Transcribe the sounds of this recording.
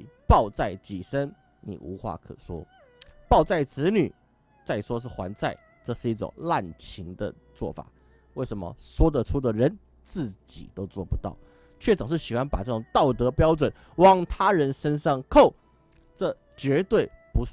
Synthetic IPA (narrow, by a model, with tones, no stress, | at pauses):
pɑ˥˧ʊt͡sa˥˩ɪt͡ɕḭ˨˩ʂə˥n | nḭ˨˩ʔu˧˥xwa̰˥˩kʰɤ̰˨˩ʂwɔ̰˥ | pɑ˥˧ʊt͡sa˥˩ɪt͡sɹ̩˧˥ny˨˩ | t͡sa˥˩ɪʂwɔ˥ʂ̬ɻ̩˥˩xwa̰˧˥nt͡sa˥˧ɪ | ʈ͡ʂɤ˥˧ʂɻ̩˥˧i˥˩ʈ͡ʂʊ̰˨˩ŋla˥˩nt͡ɕʰi˧˥ŋd̪ə̰˧ | t͡swɔ̰˥˩fa̰˨˩ | we˥˩ɪʂə˧˥nmə̰˧swɔ˥d̪ə˨ʈ͡ʂʰu˥d̪ə˨ɻə˧˦n | t͡sɹ̩˥˩t͡ɕḭ˨˩t̪o˥ʊt͡swɔ˥˩pu˧˦t̪ɑ̰˥˩ʊ | t͡ɕʰɥɛ˥˩t͡sɑ˨˩ŋʂ̬ɻ̩˥˩ɕi˨˩xwa˥npa˨˩ʈ͡ʂɤ˥˩ʊ˨˩ŋt̪ɑ˥˩ʊt̪ɤ˧˥pjɑ˥ʊt͡swə˨˩˦n | wɑ˥ŋt̪ʰa˥ɻə˧˥nʂə˥nʂɑ˥˧ŋkʰo˥˩ʊ | ʈ͡ʂɤ˥˩ | t͡ɕɥɛ˧˥t̪we˥˩ɪpu˧˥